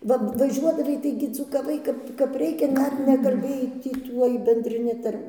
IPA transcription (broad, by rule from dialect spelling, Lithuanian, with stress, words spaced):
ˈʋɐ ʋɐˈʒʲuɔdɐʋɐɪ ˈtɐɪɡʲɪ d͡zuːkɐˈʋɐɪ ˈkɐp kɐp ˈrʲɛɪkʲɛ ˈdɐr nʲɛkɐlʲˈbʲeːjɛɪ ˈtʲiː ˈtuɔj bʲɛnʲdʲrʲɪˈnʲɪ ˈtɐrʲ